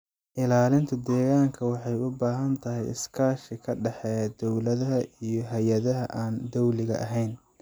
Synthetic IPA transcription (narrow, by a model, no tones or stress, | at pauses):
ʔɪlaːlɪnt̪ʰɐd̪ɛːɣaːŋkʰɐwɑħɑjʊbaːɦɐnt̪ʰɐɦɛjɪ̰skʰaːʃɪkʰɐɖɛħɛd̪ɔwlɐðɐɦɐʔijɞɦɐjɐðɐɦɐʔaːnd̪ɔwlɪɣɐ̰ʔɐɦɛjn